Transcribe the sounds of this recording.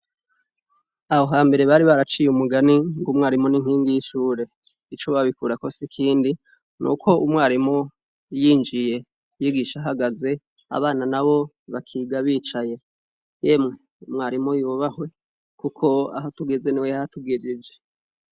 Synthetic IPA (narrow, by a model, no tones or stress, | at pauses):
aho̞ɦaːmbe̞ɾe̞βaɾiβaɾat͡ʃiːjumuɡaniŋɡumŋaːɾimuniŋ̥hiːŋɡijiʃuːɾe̞ | it͡ʃoβaβikuɾako̞sikʰiːndi | nṵkʰo̞ʔumwaːɾimu | jiːnd͡ʒije̞ | jiɡiʃaɦaɡaze̞ | a̰βaːnanaβo̞ | βakʰiːɡaβiːt͡ʃaje̞ | jeːmŋe̞ | umŋaːɾimujuβahwe̞ | kukʰo̞a̰ɦotuɡeze̞niweahatuɡed͡ʒed͡ʒe